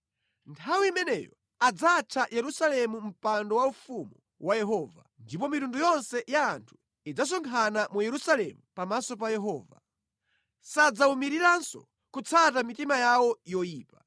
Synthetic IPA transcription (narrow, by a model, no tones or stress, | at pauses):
ntʰawiimɛnɛ̰jɔ̰ | ad͡zat͡ʃʰajɛɾusalɛmum̩pandɔwaufumu | wʔajɛɦɔːva̰ndip̬ɔmitundujɔnsɛjaːntʰu̥ | id͡zas̬ɔŋkʰanamujɛɾusalɛmupamasɔp̬ajɛɦɔːva̰ | sad͡zaumiɾiɾansɔ̰ | kut͡sʰatamitimajawɔjɔjiːpa